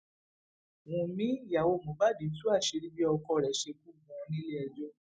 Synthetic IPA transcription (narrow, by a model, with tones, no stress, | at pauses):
wũ˧˨mĩ˦˨ja˨wo˧˨mõ˨˦ba˦˨di˨˦tu˦a˦˨ʃe˧ɾi˦bi˦ɔ˧kɔ˧˨ɾɛ˨˦ʃe˧ku˦˨ɡũ˧nĩ˦le˦ɛ˧d͡ʒɔ˦